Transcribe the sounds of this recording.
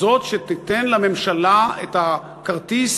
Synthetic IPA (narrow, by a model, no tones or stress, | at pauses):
o̞t̪ʃet̪it̪enlame̞mʃalaet̪a | kaʁt̪is